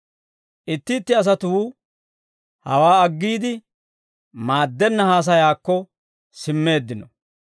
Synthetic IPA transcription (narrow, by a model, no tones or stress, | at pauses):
ʔɪt̪ːɪːt̪ːɪɐs̬ɐt̪uː | hɐ̰waːɐɡːiːd̪ɪ | maːd̪ːɛnːɐhaːs̬ɐjaːkːɔ | sɪmːe̞ːd̪ːɪnɔ